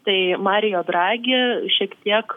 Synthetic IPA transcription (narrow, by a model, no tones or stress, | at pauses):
t̪ɐɪmɑːɾʲɪjoːd̪ɾɑːɡʲɪʃʲiɛkt̪ʲiɛk